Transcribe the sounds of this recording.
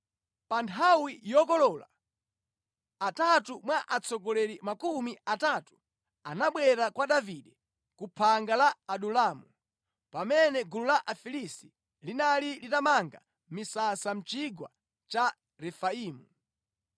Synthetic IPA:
pantʰawijɔkɔlɔːla̰ | atatumwaʔat͡sɔɡɔlɛɾimakumiatatu̥ | anaɓwɛɾakwaɗaviɗɛ | kupʰaŋɡalaaɗulaːmu | pamɛnɛɡululaʔafilisti̥ | linalilitamaŋɡa | misasam̩t͡ʃiɡwa̰ | t͡ʃa | ɾɛfaiːmu

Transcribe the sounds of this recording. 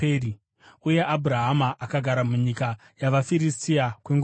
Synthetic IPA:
ri | uje̞ʔabʱuɾaɦamaʔːkaɡʱaɾamuɲika | jaʋafiɾistiakweŋɡ

